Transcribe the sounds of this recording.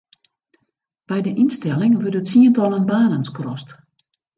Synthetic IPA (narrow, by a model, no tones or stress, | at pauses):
b̥ɛjdəʔinstɛlˠɪŋʋødətsiəntɔlˠənbaːnənskrɔst